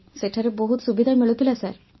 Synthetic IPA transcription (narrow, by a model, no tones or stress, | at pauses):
seʈʰaɾeboɦut̪subid̪ʱaɹmeɭut̪ilasaɾ